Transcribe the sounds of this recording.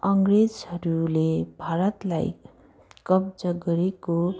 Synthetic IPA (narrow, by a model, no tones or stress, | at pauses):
ʌŋɡred͡zʌɾulebʱaɾʌt̪la̰j | kʌb̚d͡zʌɡʌɾeko